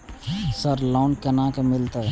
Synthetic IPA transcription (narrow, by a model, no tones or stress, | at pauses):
səɾloːnkɐnãːkemɪlt̪a